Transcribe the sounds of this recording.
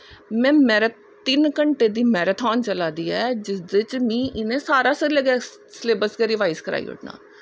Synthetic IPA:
mɛ̃ːmɛːɾe | t̪ɪnkəɳʈeːd̪iːmɛːɾət̪ʰɔːnt͡ʃəlaːd̪iːɛːd͡ʒɪsd̪et͡ʃmĩːʔɪnẽːsaːɾaːsəɾiləɡɛː | sleːbəsɡɛːɾɪʋaːizkəɾa̰ːḭːʊ̰ʈna̰ː

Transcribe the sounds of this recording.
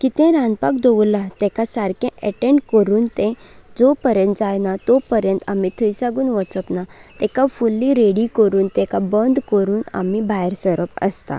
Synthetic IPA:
kit̪ɛ̃ɾãnpakd̪ɔʋulːat̪ɛ̃kasaɾkɛ̃ʔəʈẽɳɖkəɾuːnt̪ɛ̃d͡zɔpəɾjə̃nt̪̚d͡zajnat̪ɔpəɾjə̃nt̪amit̪ʰəjsaɡuːnʋət͡səpnat̪ɛ̃kafulːiɾeɽikəɾuːnt̪ɛ̃kabənd̪kəɾuːna̰mibaɦɾsəɾəpə̰st̪a̰

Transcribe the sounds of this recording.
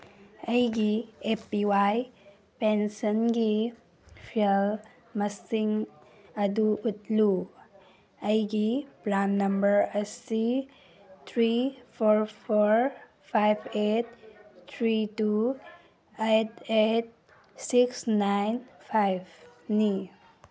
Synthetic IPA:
əjɡiepiwaj | pensənɡi | pʰiel | məsiŋ | aduut̪̚lu | əjɡiplanːəmbəɾəsi | t̪ʰɾipʰoɾpʰoɾ | pʰajbʰet̚t̪ʰɾitu | etet̚ | siksnajnpʰajbni

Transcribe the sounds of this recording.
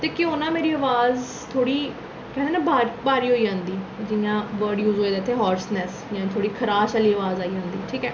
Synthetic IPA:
t̪eːkɪʊnãːmeːɾiːəʋaːz | t̪ʰoːɽiː | kɛ̃ːnd̪eːnɛ̃ːbaːɾbaːɾiːɦoːiːd͡ʒãːnd̪iːd͡ʒɪjãːʋəɾɖjuːzɦoːeːd̪eːt̪ʰːeːɦɔːɾsnɛːsjãːt̪ʰoːɽiːkʰəɾaːʃaːliːəʋaːzaːiːɦʊnd̪iːʈʰiːkɛ̰ː

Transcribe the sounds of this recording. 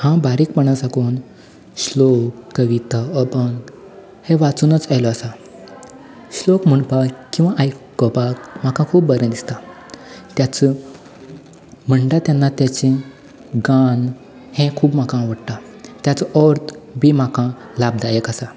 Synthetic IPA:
hãbaɾiːkpəɽ̃asakuːn | ɕlokːəʋit̪aəbən | hẽʋat͡sunət͡sajlɔasa | ɕlokm̤əɳpakkːĩw̃ʋaʔajkkːɔpakm̤akãkʰuːp̚bəɾə̃d̪ist̪a | t̪jat͡sə | m̤əɳɖat̪janːat̪jat͡ɕẽ | ɡan | hɛ̃kʰuːbmakãʋəɽʈ̪a | t̪jat͡sɔʔɔɾt̪bim̤akã | lab̚d̪ajekasa

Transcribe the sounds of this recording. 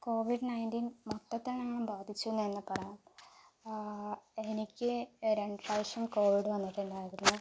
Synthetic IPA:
ko̞ːʋiɖɨnɐjndinmot̪ːɐt̪ːɐɳaːɳɨmbaːd̪ʱit͡ɕːuunːɐenːɨpɐrɐjaːm | e̞nikʲːɨɾe̞ɳɖɨlɐjʂɐmko̞ːʋiɽɨʋɐnːiʈːeɳɖaːjiɾunːu

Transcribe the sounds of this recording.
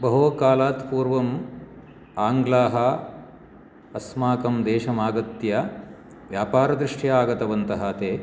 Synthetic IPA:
bɐɦoːkaːlaːt̪puːɾʋɐm | aːŋɡlaːɦɐ | ɐsmaːkɐmd̪eːʃɐmaːɡɐt̪jɐ | ʋjaːpaːɾɐd̪ɾɪʂʈjɐaːɡɐt̪ɐʋɐnt̪ɐɦɐt̪eː

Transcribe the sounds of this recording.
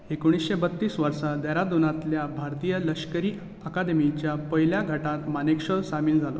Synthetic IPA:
ekoɽ̃isɕebət̪ːiːsʋəɾsad̪aɾad̪unat̪ljabʱaɾt̪ijələkʂkəɾiː | əkad̪emit͡ɕjapəɦjljaɡʱəʈat̪manekʂəɭsamiːnd͡zʱalo̰

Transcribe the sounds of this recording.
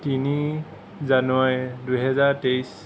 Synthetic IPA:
tini | zanuajduɦɛzaɹtejs

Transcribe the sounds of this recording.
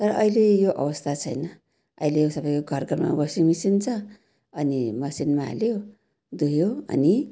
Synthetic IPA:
t̪ʌɾʌʔʌilejoʔʌ̰wʌst̪ʰat͡sʰʌjnʌ | ʌ̰ilesʌbʌjkoɡʱʌrɡʱʌrma̰bʌsimisint͡sʰʌ | ʌnimʌsinma̰ːljo | d̪ujoʌ̰ni

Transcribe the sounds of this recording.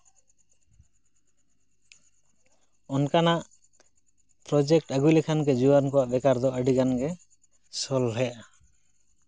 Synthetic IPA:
ɔnkanaʔ | pɾɔd͡ʒek̚ʈaɡujlɛkʰankɛd͡ʒuankɔwaʔbɛkaɾd̪ɔʔaɖiɡanɡɛ | sɔlɦɛja

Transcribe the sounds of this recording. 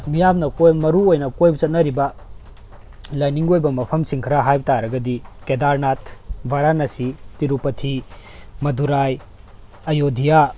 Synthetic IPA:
mijamnɐkojmɐɾuojnɐkojbɐt͡ʃɐt̚nɐɾibɐ | lajniŋɡojbɐmɐpʰɐmsiŋkʰɐɾaɦajbtaɾɐɡɐdikedaɾnatʰbʱaɾanɐsitiɾupɐtʰimɐduɾaj | ɐjodʱija

